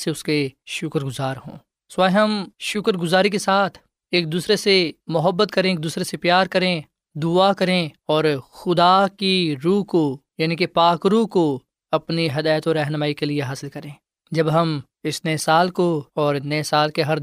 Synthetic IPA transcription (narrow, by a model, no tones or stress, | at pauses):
seʊskeʃʊkɾɡʊzaːɾɦõ̰ː | sʋaːiɦɐmʃʊkɾɡʊzaːɾikesaːt̪ʰ | eːk̚d̪uːsɾesemʊɦəbːət̪̚kɐɾẽeːk̚d̪uːsɾesepjaːɾkɐɾẽ | d̪ʊakɐɾẽɔːɾxʊd̪akiɾuːɦkojaːnikepaːkɾuːɦko | ɐpniɦɐd̪aːjt̪oɾɛɦnəmaːikelieɦaːsɪlkɐɾẽː | d͡ʒɐbɦɐm | ɪsnɛːsaːlkoɔːɾnɛːsaːlkeɦɐɾ